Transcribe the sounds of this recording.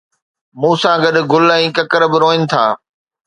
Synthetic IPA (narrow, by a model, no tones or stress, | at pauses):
mũːsãɡɐɗʊɡʊlɛ̃ːkɐkəɾbɪɾoːɪnɪ̆t̪ʰa̰ː